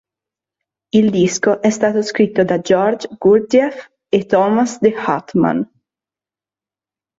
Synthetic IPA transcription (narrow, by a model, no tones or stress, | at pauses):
ild̪iskoʔɛst̪aːt̪oskɾit̪ːod̪ad͡ʒɔrd͡ʒɡult̪iɛf | et̪ːɔːmasd̪eha̰t̪ma̰n